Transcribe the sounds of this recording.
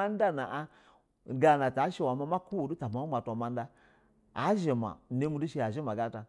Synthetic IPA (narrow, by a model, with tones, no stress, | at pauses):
a˦n˦da˦na˨ʔa˦˨ | ɡa˨na˨ta˨˦ʃe˦wa˨ma˦ma˦ku˦wo˨du˦ta˨ma˨˦u˦ma˨tʷa˨ma˨n˦da˦ | a̰˨˦ʒe˨ma̰˨ne˦mu˦du˦ʃe˦ja˨ʒe˦ma˨ɡa˦ta˨